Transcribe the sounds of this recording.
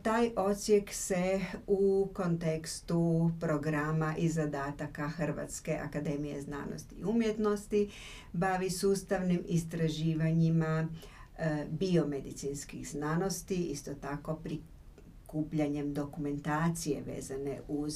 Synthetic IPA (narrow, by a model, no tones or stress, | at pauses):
t̪aːjʔo̞t̪sje̞kse̞uko̞nt̪e̞kst̪upɾo̞ɡɾamaʔizad̪aːt̪akaxr̩ʋa̰t̪ske̞ʔa̰kad̪e̞mije̞̰zna̰ːno̰st̪ḭːumjet̪no̞st̪i | baʋisuːst̪aʋnimist̪ɾaʒiːʋaɲima | bio̞med̪it̪sinskixznano̞st̪iist̪o̞t̪ako̞pɾi | kuːpʎaɲe̞md̪o̞kume̞nt̪aːt̪sije̞̰ʋḛːzane̞̰ʔuz